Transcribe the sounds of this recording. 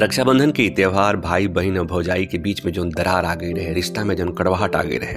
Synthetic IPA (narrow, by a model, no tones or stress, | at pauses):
ɾɐkʃabə̃nd̪ʱənkeɪt̪jeːʋɦaːɾbʱaːibɐɦɪnɔbʱɐd͡ʒaːikebiːt͡ʃmẽd͡ʒoːnd̪ɐɾaːɾaːɡəiɾɐɦẽɾɪʃt̪amẽd͡ʒɐnkɐɽʋaːɦəʈa̰ːɡəḭɾɐɦeː